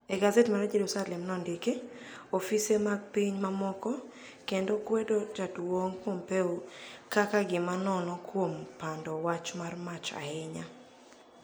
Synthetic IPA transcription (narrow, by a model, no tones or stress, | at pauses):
ɛɡazetmaɾad͡ʒedosalɛmnɔndike | ofisemaɡ̚piɲmamɔkɔ | kendokwɛdod͡ʒadwoŋkwompeokakaɡɪmanɔnɔkwompandɔwat͡ʃmarmat͡ʃa̰ɛɲa